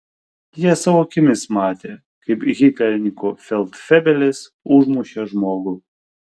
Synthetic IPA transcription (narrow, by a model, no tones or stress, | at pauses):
jiɛsɑːʋoːkʲɪmʲɪsmɑːt̪ʲeː | kɐɪpɣʲɪt̪ʲlʲɛɾʲnʲikofʲɛlˠt̪fʲɛbʲɛlʲes | ʊʒmʊʃʲɛʒmoːɡʊ